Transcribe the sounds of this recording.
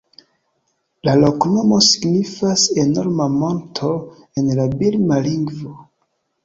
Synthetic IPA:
lalo̞kno̞mo̞si̥ɡnifase̞noɾmamo̞ntʰo | enlabilmaliŋɡvo

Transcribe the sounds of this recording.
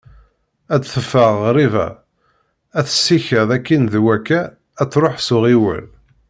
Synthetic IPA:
ædθəfːəʁɾivæ̰ | æθə̥sːiçəðækːinðwækːæː | t͡sːɾoħsʊʁiwə̰l

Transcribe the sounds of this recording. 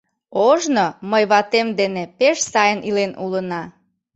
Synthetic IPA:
oʒnoməjβɑt̪emd̪enepeʃsɑjənʔilenʔulənɑ

